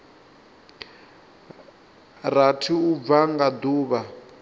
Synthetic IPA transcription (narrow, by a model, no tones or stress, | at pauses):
ratʰiub̪vaŋɡad̪uːβa